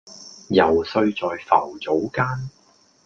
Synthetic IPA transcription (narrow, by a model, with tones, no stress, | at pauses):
jɐ˨˩wsɵ˧ɥt͡sɔː˨jfɐ̰˨˩wt͡so˨˥wkaː˥n